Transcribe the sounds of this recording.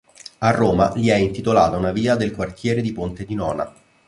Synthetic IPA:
arːoːmaliɛint̪it̪olaːt̪aunaviːad̪elkwart̪jɛːɾed̪ipont̪ed̪inɔːna̰

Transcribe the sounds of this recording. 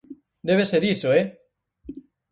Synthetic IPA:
d̪eβ̞eseɾisoe

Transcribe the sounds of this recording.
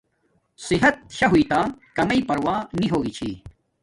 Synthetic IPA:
siɦɐt̪̚ɕɐɦuit̪aːkɐmɐipɐɾwaːniɦoːɡit͡ɕʰḭː

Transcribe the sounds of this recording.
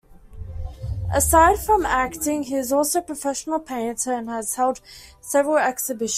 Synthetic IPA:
ʔəsaɪd̥fɹə̃mæktɪ̃ŋiɪzɔˑlˠsəʊpʰɹ̥əfɛʃənəlˠpʰẽɪntʰəə̃nəz̥hɛlˠd̥ | sɛvəɹəlˠɛksəbɪʃ

